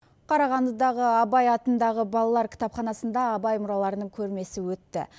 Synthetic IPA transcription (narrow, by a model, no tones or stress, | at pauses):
qʰɑɾɑʁɑnd̪əd̪ɑʁəɑbɑjɑt̪ənd̪ɑʁəbɑlˠɑlˠɑɾkʲʰɪ̥t̪ɑpχɑnɑsənd̪ɑːbɑjmʊɾɑlˠɑɾənəɴkʲʰɵɾme̞sɪwɵt̪ːɪ̰